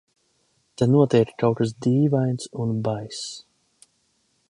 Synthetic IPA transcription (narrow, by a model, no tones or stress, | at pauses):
t̪anuɔt̪iɛkkawkas̬d̪iːvajnt̪sunbajs